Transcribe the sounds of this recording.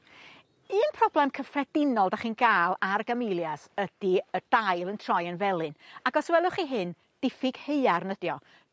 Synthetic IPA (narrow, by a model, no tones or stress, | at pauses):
ɨːnpʰrɔblɛmkʰəfrɛdɪnɔlˠdaχiːnɡaːlˠarɡamɪlˠjasəd̥iəd̥ajlˠəntʰrɔjənvɛlˠɨnaɡɔswɛlˠʊχiɦɨn | d̥ɪfɪɡ̥heɨarnədjɔ